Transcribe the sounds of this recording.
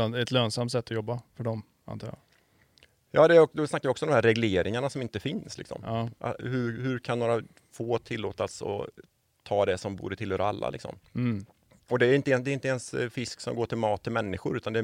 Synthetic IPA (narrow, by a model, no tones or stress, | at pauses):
anɛt̪løːnsamt̪sɛt̪ːɔjɔbːafœɖɔm | a̰nt̪ʰɑːɾja̰ | jɑːd̪ɛɾɔd̪ɔsnakːavɪɔksɔmɔmhæɾɛɡleːɾɪŋaɳasɔmɪnt̪əfɪnslɪksɔ̰mʔa̰hɵhɵɾkʰanːoːɾa | foːt̪ʰɪlːoːt̪asɔ̰ | t̪ʰɑːd̪ɛsɔmbṵːɾət̪ʰɪlhøːɾaa̰lːa̰lɪ̰ksɔ̰m | ɔd̪ɛːɾɪnt̪əɛd̪ɛɾɪnt̪əɛnsfɪsksɔ̰mɡoːʈʰɪlmɑːt̪ʰːɪlmɛnːɪɧʊɾʉ̟ːt̪and̪ɛ